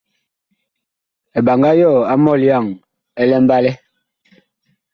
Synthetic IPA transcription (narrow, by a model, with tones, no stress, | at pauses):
ɛ˨ba˨ŋɡa˦jɔ˦˨a˦mɔ˦˨lja˦˨ŋ | ɛ˦lɛ˦m˦ba˦lɛ˦